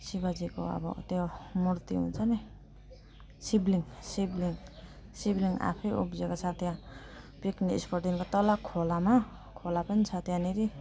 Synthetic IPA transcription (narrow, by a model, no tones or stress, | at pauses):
sibad͡ziko̰a̰bɔ̰t̪eomuɾt̪ḭṵt͡sane | sibliŋsibliŋ | sibliŋa̰pʰejṵpzekasʰat̪ijã | pikniḭspʰoɾʈinkot̪ʌlakʰolama | kʰolapʌnsʰat̪ʰjaniɾi